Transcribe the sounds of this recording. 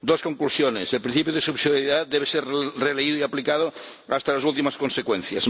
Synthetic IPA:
d̪oskoŋklusjoneselpɾin̟θipjoð̞esuβsiðjaɾiðat̪̚d̪eβeseɾreleiðoiaplikað̞o | a̰st̪alasult̪̬imaskonsekwẽn̟θja̰s

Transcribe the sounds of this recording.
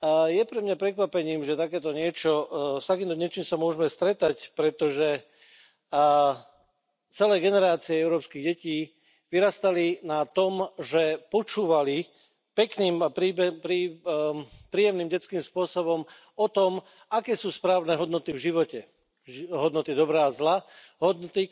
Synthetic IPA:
jɛpɾɛmɲapɾɛkʋapɛɲiːmʒɛt̪akɛːt̪ɔɲɪɛt͡ʃɔst̪akiːmt̪ɔɲɛt͡ʃiːmsamʊɔʒɛmɛst̪ɾɛt̪acpɾɛt̪ɔʒɛ | t͡sɛlɛːɡɛnɛɾaːt͡siɛɛʊɾɔːpskiɣɟɛciː | ʋiɾast̪alinat̪ɔmʒɛpɔt͡ʃuːʋali | pɛkniːmapɾiːbɛpɾi | pɾiːjɛmniːmɟɛt͡skiːmspʊɔsɔbɔm | ɔt̪ɔm | akɛːsuːspɾaːʊnɛɦɔd̪nɔt̪ivʒiʋɔcɛ | ɦɔd̪nɔt̪id̪ɔbɾaːzla | ɦɔd̪nɔt̪i

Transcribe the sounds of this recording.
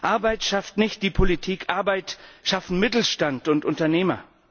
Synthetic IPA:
ʔaɐbaɪtʃaftnɪçt̚d̥iːpʰolitʰiːkʰʔaɐbaɪtʃafn̩mɪtl̩ʃtantʊntʔʊntɐneːmɐ

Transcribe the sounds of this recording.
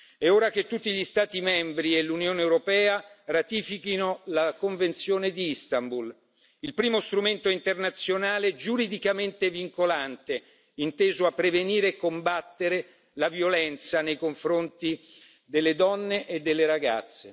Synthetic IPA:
ɛoːɾak̟et̪ːut̪ːiʎist̪aːt̪imɛmbɾielːunjoːneewɾopɛːarat̪iːfikinolakoɱvent̪sjoːned̪iist̪ambul | ilpɾiːmost̪ɾument̪oint̪ernat̪sːjonaːled͡ʒuɾid̪ikament̪eviŋkolant̪e | int̪eːzoapːɾeveniːɾeːkːombat̪ːeɾe | lavjolɛnt̪sanejkoɱfɾont̪i | d̪elːed̪ɔnːeʔed̪ːelːeɾaɡa̰t̪sːe

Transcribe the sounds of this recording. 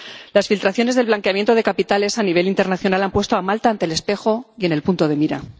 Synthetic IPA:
lasfilt̪ɾaθjo̞ne̞zðe̞lβlaŋke̞amje̞nt̪o̞ðe̞kapit̪ale̞saniβ̞e̞lint̪e̞ɾnaθjo̞nalampwe̞st̪oamalt̪aːnt̪ele̞spe̞xo̞je̞ne̞lpunt̪o̞ðe̞miɾa̰

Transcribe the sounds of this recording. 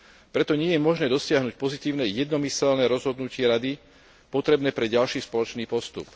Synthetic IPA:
pɾɛt̪ɔɲɪɛjɛmɔʒnɛːd̪ɔsɪaɦnuc̚pɔzit̪iːʊnɛjɛd̪nɔmisɛlnɛːɾɔzɦɔd̪nucɪɛɾad̪i | pɔt̪ɾɛbnɛːpɾɛɟalʃiːspɔlɔt͡ʃniːpɔst̪ṵp

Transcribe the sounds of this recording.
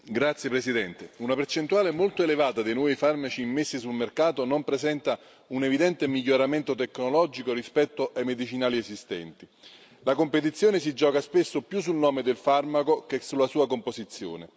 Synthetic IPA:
ɡɾat̪sjepɾesid̪ɛnt̪eunapert͡ʃent̪uaːlemolt̪oelevaːt̪ad̪ejnwɔːifarmat͡ʃiːmːesːisulmerkaːt̪onompɾezɛnt̪a | unevid̪ɛnt̪emiʎːoɾament̪ot̪ekːnolɔd͡ʒikorispɛt̪ːoʔajmed̪it͡ʃinaːliesist̪ɛ̰nt̪i | lakompet̪̬it̪sːjoːnes̬id͡ʒɔːkaspesːopjus̬ːulnɔːmed̪elfarmakokesulːasuːakompozit̪sːjo̰ːne

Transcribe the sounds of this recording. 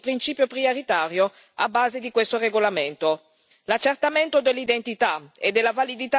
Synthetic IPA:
pɾint͡ʃiːpjopɾioɾit̪aːɾjo | a̰bːaːzed̪ikwest̪oreɡolament̪o | lat͡ʃːert̪ament̪od̪elːid̪ent̪it̪aḛd̪elːavalid̪it̪a

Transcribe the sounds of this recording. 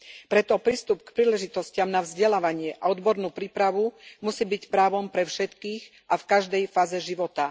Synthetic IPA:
pɾɛt̪ɔpɾiːst̪upkpɾiːlɛʒit̪ɔscɪamnavzɟɛlaːʋaɲɪɛʔaɔd̪bɔɾnuːpɾiːpɾaʋumusiːbicpɾaːʋɔmpɾɛfʃɛt̪kiːɣ | ʔafkaʒd̪ɛjfaːzɛʒiʋɔt̪a

